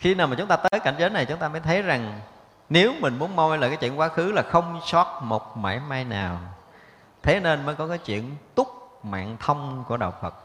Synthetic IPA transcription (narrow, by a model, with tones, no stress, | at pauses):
xi˧naː˨˩wmaː˨˩t͡ɕʊ˨˦ŋ͡mt̪aː˧əː˨˦jka̰˧˩jŋzəː˨˦na˨˩jt͡ɕʊ˨˦ŋ͡mt̪aː˧məː˨˦jt̪ʰə˨˦jza˨˩ŋ | ne˨˦wmï̟˨˩mu˨˦ənmɔ˧jləː˨kaː˨˦t͡ɕwḭ˧˨ənkwaː˨˦xɨ˨˦laː˨˩xə˧wŋ͡msɔ˦˥t̚mo˨˩t̚ma̰ː˧˩jmaː˧jna̰ː˨˩w | t̪ʰe˨˦ne˧nməː˨˦jkɔ˨˦kaː˨˦jt͡ɕwḭ˧˨ənt̪ʊ˦˥k͡p̚ma̰ː˧˨nt̪ʰə˧wŋ͡mku˧˩əɗə̰˨˩wfə˨˩t̚